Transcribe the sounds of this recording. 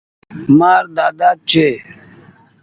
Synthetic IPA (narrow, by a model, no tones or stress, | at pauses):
maːɾd̪aːd̪aːd̪̚t͡ʃʰeː